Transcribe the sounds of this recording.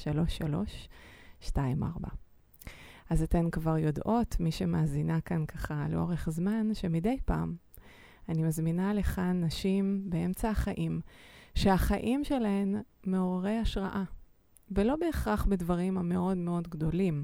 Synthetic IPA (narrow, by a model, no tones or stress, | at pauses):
ʃalo̞ʃːalo̞̰ʃʃtaimʔa̰ʁba̰ | azatenkvaʁjo̞dʔo̞tmiʃemaːzinakankʰaχalḛʔo̞̰ʁe̞χzmanʃemide̞jpa̰ːm | animazminale̞χanaʃimbee̞mt͡saaχaʔimʃeaχaʔimʃe̞laemːeoʁaʁejaʃʁaʔa | velo̞be̞ːχʁaχbedvaʁimameʔo̞dmeo̞dɡdo̞lim